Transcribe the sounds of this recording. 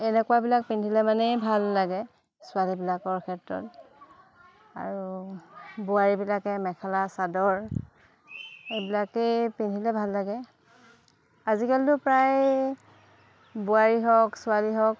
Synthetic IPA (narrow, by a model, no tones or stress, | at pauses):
ɛnɛkʊwabilak̚pindʱilɛmanɛjbʱalːaɡɛ | sʊalibilakɔɹkʰɛtɹɔ̰t | a̰ɹu | bʊaɹibilakɛmɛkʰalasadɔɹ | ejbilakejpindʱilɛbʱalːaɡɛ | azikaltʊpɹaj | bʊaɹiɦɔksʊaliɦɔk